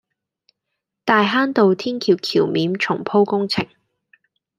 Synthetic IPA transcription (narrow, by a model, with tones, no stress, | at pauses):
t̪aː˨˧jɦaː˥nt̪o˨wt̪ʰiː˥nkʰiː˧w̚kʰiː˨˩wmiː˨˥mt͡ʃʰʊ˨˩ŋpʰo˥wkʊ˥ŋt͡sʰɪ̰˨˩ŋ